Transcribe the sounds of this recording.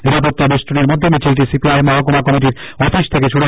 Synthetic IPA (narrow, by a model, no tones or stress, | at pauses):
niɾapot̪ːabeʃʈɾoneɾmod̪ʱːemit͡ɕʰilʈisipiajmɔɦak̬omakɔmiʈ̬iɾɔfiʃt̪ʰekeʃʰuɽu